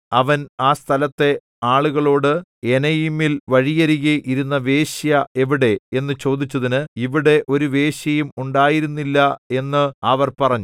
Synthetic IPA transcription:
ɐʋɐnaːst̪ʰɐlɐt̪ːe̞ | aːɭuɣɐɭo̞ːɽɨe̞nɐjimːilʋɐɻijɐɾiɣiʔiɾunːɐʋe̞ːɕjɐe̞ʋiɽe̞e̞nːɨt͡ɕo̞ːd̪it͡ɕːɐðinɨiʋiɽe̞ʔo̞ɾuʋe̞ːɕjɐjumuɳɖaːjiɾunːilːɐe̞nːɨɐʋɐrpɐrɐɲːu

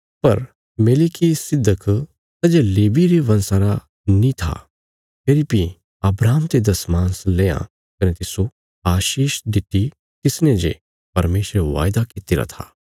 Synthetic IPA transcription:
pɐɾ | meːlikisɪd̪ʱːək | sɐd͡ʒeleːbiɾeʋɐ̃nsaɾa | nĩt̪ʰa̰ | peːɾipi | ɐbɾaːmt̪ed̪ɐsmãːnsleːjã̰ | kɐnet̪ɪso | aːʃiːʃɖ̪ɪt̪ːi | t̪ɪsned͡ʒḛ | pɐɾmeːʃɾeʋa̰ːjd̪akit̪ɪɾa̰t̪ʰa̰ː

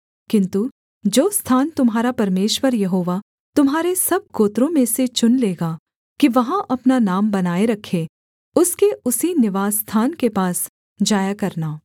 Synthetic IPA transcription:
kɪ̃nt̪u | d͡ʒoːst̪ʰaːnt̪ʊmɦaːɾapɐɾmeːʃwəɾjɐɦoːʋa | t̪ʊmɦaːɾesɐb̚koːt̪ɾõmẽset͡ʃʊnleːɡaː | kiʋɐɦãʔɐpnanaːmbɐnaːeɾɐkʰe | ʊskeʊsinɪʋaːzst̪ʰaːnkepaːs | d͡ʒaːjakɐɾnaː

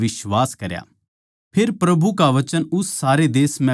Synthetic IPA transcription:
ʋɪʃwaːskɐɾja̰ː | pʰɪɾpɾɐbʱukaʋɐt͡ʃənʊsːaːɾed̪eːsmɛ̃

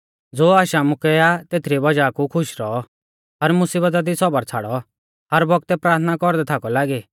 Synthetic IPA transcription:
d͡zoːaːʃamʊkɛat̪eːt̪ʰɾibɐd͡ʒakukʰʊʃɾɔɔ | ɦɐɾmʊsiːbət̪̬ad̪isɔbəɾt͡sʰaːɽɔ | ɦɐɾbɔk̚t̪ɛpɾaːɾt̪ʰnakɔɾd̪ɛt̪ʰakɔlaːɡiː

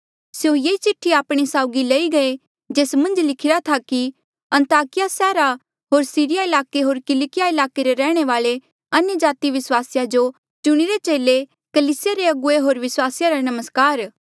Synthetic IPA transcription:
sjõjeːit͡ʃɪʈʰːiaːpɽ̃isaːʊɡilɐiɡɐe | d͡ʒeːsmɐ̃nd͡ʒlɪkʰɪɾat̪ʰaki | ɐ̃nt̪aːkɪjasɛːɾa | ɦoːɾsiːɾɪjaɪlaːkeɦoːɾkɪlɪkɪjaɪlaːkeɾeɾɛːɽ̃eʋaːɭe | ɐnjəd͡ʒaːt̪iʋɪswaːsɪjad͡ʒo | t͡ʃʊɽ̃iɾet͡ʃeːle | kɐliːsɪjaɾeɐɡʊeɦoːɾʋɪswaːsɪjaɾanɐməskaːɾ

